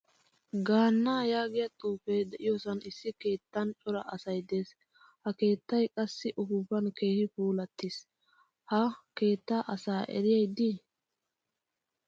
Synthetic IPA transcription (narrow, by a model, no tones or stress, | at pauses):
ɡaːnːaːjaːɡɪjɐt̪ʼuːfejd̪ɛʔɪjɔsɐnɪsːɪke̞ːt̪ːɐnt͡ʃʼɔɾɐʔɐsɐjd̪eːs | hɐke̞ːt̪ːɐjkʼɐsːɪʔʊfuːfɐnke̞ːhɪfuːlɐt̪ːis | hɐke̞ːt̪ːaʔɐsaːʔɛ̰ɾɪjɐjd̪ːɪ